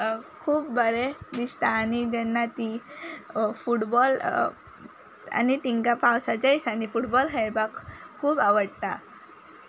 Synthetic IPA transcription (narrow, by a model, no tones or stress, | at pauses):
kʰuːp̚bəɾed̪ist̪aːnid͡ʑɛnːat̪i | fuʈbɔl | a̰nit̪iŋkapawsad͡ʑəjsanifuʈbɔlɦɛɽbakkʰːuːbaʋəɽt̪a